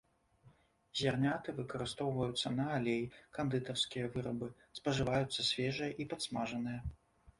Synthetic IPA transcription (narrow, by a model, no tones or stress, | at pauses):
zʲarnʲat̪ɨvɨkɐɾɨst̪ɔwvɐjut̪sːɐnɐalʲejkɐnd̪ɨt̪ɐrskʲijɐvɨɾɐbɨ | spɐʐɨvajut̪sːɐsʲvʲɛʐɨjɐʔipat̪smaʐɐnɨjɐ